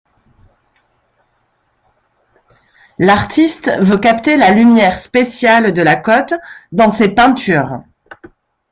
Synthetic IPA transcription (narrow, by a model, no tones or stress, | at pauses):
laʁt̪ist̪vøkapt̪elalymjɛʁspesjald̪əlakɔt̪d̪ɑ̃sepɛ̃t̪yʁ